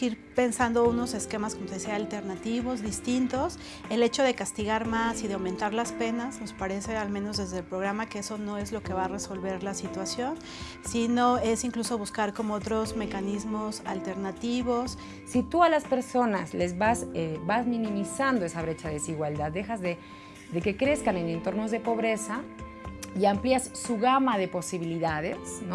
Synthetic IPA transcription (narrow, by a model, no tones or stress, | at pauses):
iɾpe̞nsand̪o̞uno̞se̞ske̞maskomot̪esiaːlt̪e̞ɾnat̪iβo̞zðist̪int̪o̞s | e̞le̞t͡ʃo̞ð̞e̞kast̪iɣaɾmasiðeawmẽnt̪aɾlaspe̞nazno̞spaɾese̞almẽ̞no̞zðe̞zðelpɾo̞ɣ̞ɾamake̞e̞so̞no̞e̞zlo̞ke̞βare̞so̞lβe̞ɾlasit̪wasjo̞n | sino̞e̞siŋkluso̞βuskaɾko̞moot̪ɾo̞zme̞kanizmo̞salt̪e̞ɾnat̪iβo̞sː | it̪ualaspe̞ɾso̞nasle̞zβasebazmĩnĩmisand̪oe̞saβɾe̞t͡ʃaðesiɣwald̪aðːe̞xazðe̞ | ðe̞ke̞kɾe̞skane̞ne̞nt̪o̞ɾno̞zðe̞po̞βɾe̞sa | iampliasːuɣamaðe̞po̞siβiliðaðesno